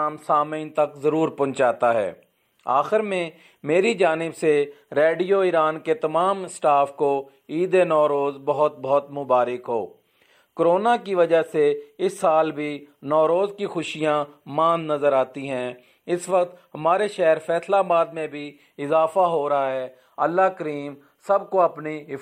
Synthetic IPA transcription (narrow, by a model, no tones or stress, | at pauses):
msaːməiːnt̪ɐkzəɾuːɾpʊ̃nt͡ʃaːt̪aɦɛ̰ː | a̰ːxɪɾmẽ | meːɾid͡ʒaːnɪbse | ɾeːɖijoːɪɾaːnket̪ɐmaːmsʈaːfko | iːd̪enɔːɾoːzbɐɦʊt̪̚bɔɦt̪mʊbaːɾɪkɦo̰ː | kɾoːnakiʋəd͡ʒaseɪsːaːlbʱinɔːɾoːzkixʊʃijãmãːnnɐzəɾaːt̪iɦɛ̃ː | ɪsʋəkt̪ɦɐmaːɾeʃɛːɦɾfʰɛːslabaːd̪mẽbʱi | ɪzaːfaɦoːɾɐɦaɦɛː | əlːakəɾiːm | sɐbkoɐpni